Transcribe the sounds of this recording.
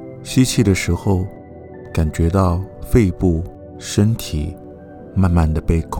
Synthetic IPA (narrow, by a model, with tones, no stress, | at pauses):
ɕi˥t͡ɕʰi˥˩d̪ə˩ʂɻ̩˧˥xo˧ʊ | ka˨˩nt͡ɕɥɛ˧˥t̪ɑ˥˧ʊfe˥˧ɪpu˥˩ | ʂə˥nt̪ʰi˨˩ | ma˥˧nma˥˩nd̪ə˩pe˥˧ɪkʰʊ˥˦